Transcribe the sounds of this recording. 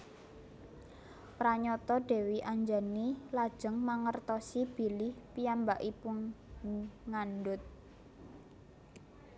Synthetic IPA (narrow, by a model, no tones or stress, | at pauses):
pɾaɲɔt̪ɔɖ̥ɛ̤wiʔaɲd͡ʒanilad̥ʒ̥ə̤ŋmaŋərt̪ɔsib̥i̤lɪhpiambaʔipʊn | ŋanɖʊt̪̚